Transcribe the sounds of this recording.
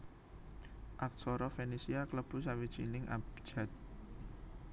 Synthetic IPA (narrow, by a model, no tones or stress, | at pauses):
ʔak̚sɔɾɔfenisiakləb̥ṳsawid̥ʒ̥inɪŋʔa̰b̥d͡ʒ̥a̤t̪̚